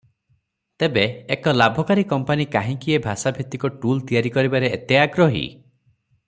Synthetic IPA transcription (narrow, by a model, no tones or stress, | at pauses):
t̪ebeekɔlabʱɔkaɾikɔmpanikaɦĩkiebʱasabʱit̪ikɔʈult̪ijaɾikɔɾibaɾeet̪jaaɡɾɔɦḭ